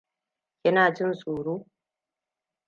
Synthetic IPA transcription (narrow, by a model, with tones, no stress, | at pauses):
kʲɪ˦naː˨d͡ʒɪ˦nsʼuː˨ɽuː˦